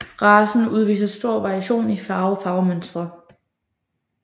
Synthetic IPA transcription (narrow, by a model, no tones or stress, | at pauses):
ʁɑ̈ːsn̩uð̞ˠʋḭːsɐsd̥o̝ɐ̰ʋɑ̈ʁiæɕo̝̰ːnifɑ̈ːʊfɑ̈ʊmønsd̥ʁɐ